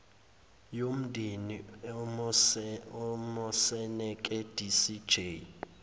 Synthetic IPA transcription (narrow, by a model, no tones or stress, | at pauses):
jom̩dʱini | ɔmɔsɛnɛkʼɛd̥ʱisi̥d͡ʒʱe